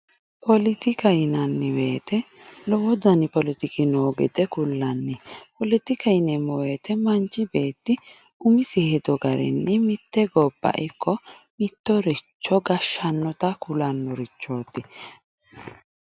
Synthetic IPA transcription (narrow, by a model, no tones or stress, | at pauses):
pɔlɪt̪ɪkɐɪnɐnːɪweːt̪ɛ | lɔwɔd̪ɐnɪpɔlɪt̪ɪkɪnoːɡɛd̪ɛkʊlːɐnːɪpɔlɪt̪ɪkɐɪnɛmɔweːt̪ɛmɐnt͡ʃːɪbe̞ːt̪ːɪ | ʊmɪsɪhɛd̪ɔɡɐɾɛ̰nːɛmɪt̪ːɛɡɔbːɐ̰ʔɛkːɔmɪt̪ːɔɾɛt͡ʃːɔɡɐʃːɐnːɔt̪ɐkʊlɐnːɔɾɪt͡ʃːo̞ːt̪ːɪ